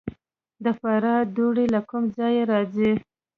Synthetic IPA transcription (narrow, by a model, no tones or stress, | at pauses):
d̪əfɑɾɑd̪oɽilakʊmd͡zɑjeɾɑzi